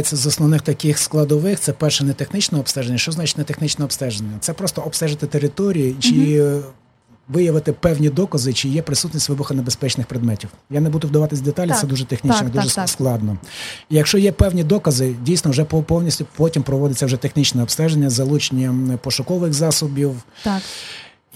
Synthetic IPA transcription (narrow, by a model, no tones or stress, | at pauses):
et͡sʲːɐzɔsnɔʋnɪxt̪ɐkɪxsklˠɐd̪ɔʋɪxt̪sɛpɛrʃɛnet̪exnɪt͡ʃnɛɔpst̪ɛʒenʲːɐʃt͡ʃɔznɑt͡ʃɪtʲnɛt̪exnɪt͡ʃnɛɔpst̪ɛʒenʲːɐt̪sɛpɾɔst̪ɔɔpst̪ɛʒɪt̪ɪt̪eɾɪt̪ɔɾʲijit͡ʃi | ʋɪjɐʋɪt̪ɪpɛwnʲid̪ɔkɐzɪt͡ʃijɛpɾɪsut̪nʲisʲtʲʋɪbʊxɐnebespɛt͡ʃnɪxpɾɪd̪mɛtʲiwjanebud̪ʊwd̪ɐʋɑt̪ɪsʲd̪et̪ɑlʲitsɛd̪uʒɛt̪exnʲit͡ʃ̪ɔd̪uʒɛsklˠɑd̪nɔijɐkʃt͡ʃɔjɛpɛwnʲid̪ɔkɐzɪdʲijsʲnɔwʒɛpɔpɔwnʲisʲtʲʊpɔtʲimpɾɔʋɔd̪ɪt͡sʲːɐwʒɛt̪exnit͡ʃnɛɔpst̪ɛʒenʲːɐzɐlˠut͡ʃenʲːɐmpɔʃʊkɔʋɪxzɑsʊbʲiw